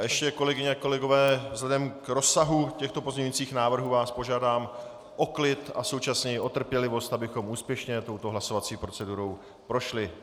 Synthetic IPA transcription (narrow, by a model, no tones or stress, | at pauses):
jɛʃcɛko̞lɛɡɪɲɛakolɛɡo̞vɛːvzlɛdɛmkɾo̞sːaɦucɛxt̪o̞po̞zɲɛɲujiːt͡siːxnaːvr̩ɦuːvaːspo̞ʒaːdaːm | ʔo̞klɪt̪aso̞wt͡ʃasɲɛjɪʔo̞t̪r̩pjɛlɪvo̞st̪abɪxo̞muːspjɛʃɲɛt̪o̞wt̪oɦlaso̞vat͡siːpɾo̞t͡sɛduɾo̞w | pɾo̞ʃlɪ